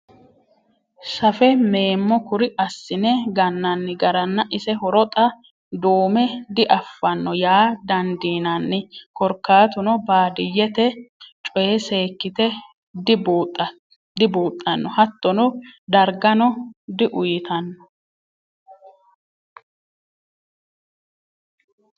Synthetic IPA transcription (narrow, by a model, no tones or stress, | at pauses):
sɐfɛme̞ːmːɔkʊɾɪʔɐsːɪnɛɡɐnːɐnːɪɡɐɾɐnːɐʔɪsɛhɔɾɔt̪ʼɐ | d̪oːmɛd̪ɪʔɐfːɐnːɔjaːd̪ɐnd̪iːnɐnːɪkɔɾkːaːt̪ʊnɔbaːd̪ɪjːɛt̪ɛt͡ʃʼɔjɛse̞ːkːɪt̪ɛ | d̪ɪbt̪ʼ | d̪ɪboːt̪ʼːɐnːɔhɐt̪ːɔnɔd̪ɐɾɡɐnɔd̪ɪʔʊjɪt̪ɐnːɔ